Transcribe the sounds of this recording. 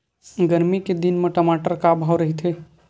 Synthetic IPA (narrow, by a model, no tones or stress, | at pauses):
ɡəɾmiked̪inmeʈəmaːʈəɾkabʱaʋɾəɦit̪ʰe